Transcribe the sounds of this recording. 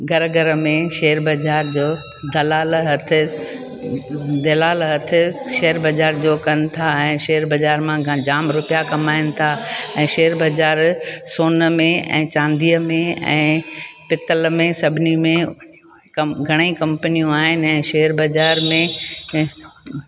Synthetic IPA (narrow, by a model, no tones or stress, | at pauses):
ɡʱɐɾɡɐɾəmẽʃeːəɾbɐd͡ʑaːɾd͡ʑoː | d̪ɐlaːlɦɐt̪ʰɪ | d̪ɐlaːlɦɐt̪ʰɪ̆ʃeɦəɾbɐd͡ʑaːɾd͡ʑoːkɐnɪ̆t̪ʰaɛ̃ːʃeːəɾbɐd͡ʑaːɾmãd͡ʑaːmɾʊpijakɐmaːɪnɪ̆t̪ʰaɛ̃ːʃeːɦəɾbɐd͡ʑaːɾsoːnəmẽɛ̰̃ːt͡ɕãːnd̪ʱiəmẽɛ̰̃ːpɪt̪əlmẽsɐbʱɪnimẽ | ɐɡʱɐɽ̃eikɐ̃mpənijũaːɦɪnɪ̆ɛ̃ːʃeːəɾbɐd͡ʑaːɾmẽ